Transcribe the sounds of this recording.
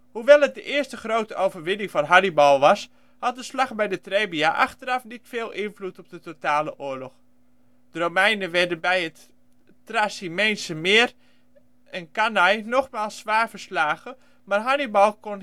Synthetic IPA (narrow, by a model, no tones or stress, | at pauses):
huʋɛlˠət̚dəʔɪəstəχrowtəʔowvərʋɪnɪŋfɔnɦɑnibɑlˠʋɑs | hɑt̚dəslɑχbɛjdətreːbiaʔa̰xtəɾɑfnitfeːlˠʔɪnflutɔp̚dətotaːləʔʊəɹlɔx | d̥ərowmɛjnəʋɛdənbɛjət | trasimejnsəmɪər | ənkanajnɔχmaːlˠsːʋaːɹvəɹslaːɣə | maːrɦɑnibɑlˠkon